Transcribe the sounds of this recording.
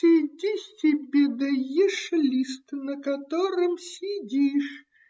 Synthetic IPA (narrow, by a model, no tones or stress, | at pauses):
ɪdʲisʲtʲɪbʲed̪ɐjiʂlʲist̪nəkɐt̪oɾɨmsʲɪdʲiʂ